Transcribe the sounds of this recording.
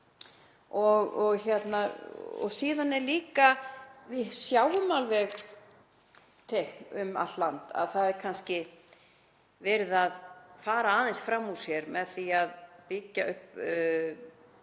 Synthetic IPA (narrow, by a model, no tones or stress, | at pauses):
ɔɣɔɣçɛt̪naɔ̰ɣsiːðanɛɾliːkavɪsjaːwʏmalvɛɣ | t̪ʰehʏma̰t̪lant̪a̰ðθaðɛɾ̥kʰanscɪ | vɛːɾɪðaðfaːɾaaːðɛnsfɾamːusjɛɾmɛðθiaðpɪcːaʏhp